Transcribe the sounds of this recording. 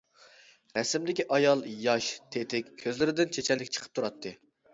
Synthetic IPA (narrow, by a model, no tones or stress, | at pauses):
ɾɛsɪmd̪ɪkʲiʔɑjɑlˠjɑʃt̪ʰet̪ʰɪkʲʰːøzlɪɾɪd̪ɪnt͡ʃʰet͡ʃʰɛlɪkʲt͡ʃʰə̥qʰə̥p̚t̪ʰuɾɑt̪ʰːɨ